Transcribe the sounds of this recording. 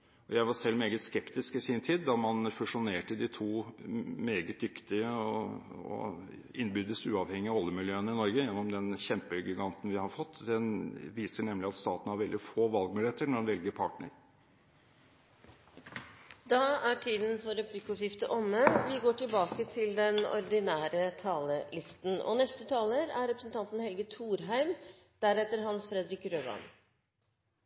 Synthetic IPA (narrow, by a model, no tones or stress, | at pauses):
ɔjæɪʋɑsɛlːmeːɡət̪skɛpt̪ɪskɪsɪnt̪ʰiːd̪d̪ːɑmɑnfʉʂʊneːʈəd̪ɪt̪ʰuːmeːɡət̪̚d̪ʏkt̪ɪəɔɔ̰ | ɪnːbyːd̪əsʉ̰ːɑʋhɛŋːɪɔlːəmɪljøːənɪnɔɾɡəjɛnːɔmd̪ɛnçɛmpəɡɪɡɑnt̪n̩ʋɪhɑɾfɔt̪ːd̪ɛnʋiːsəɳɛmlɪɑt̪st̪ɑːt̪n̩hɑɾʋɛld̪ɪfoːʋɑlɡ̚mʉːlɪeːt̪əɳɔɖɛnʋɛlɡəɾpʰɑʈnə̰ɾ | d̪ɑːæʈʰiːd̪n̩fɔɾɛpʰlɪkʊʂɪft̪əʔɔmːəʋɪɡoːʈɪlbɑːkət̪ʰɪld̪ɛnɔ̰ɾd̪ɪnæːɾət̪ʰɑːləlɪst̪n̩ɔ̰nɛst̪ət̪ʰɑːləɾæɾɛpɾəsn̩t̪ɑnt̪n̩hɛlɡət̪ʰuːɾɦæɪm | d̪̥æɾɛt̪əɾɦɑnsfɾɛd̪ɾɪkɾøːʋɑ̰n